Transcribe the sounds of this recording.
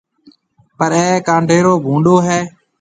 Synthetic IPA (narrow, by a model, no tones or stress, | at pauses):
pəɾɛːkãːɳɖʱeːɾoːbʱũːɳɖoːɦɛː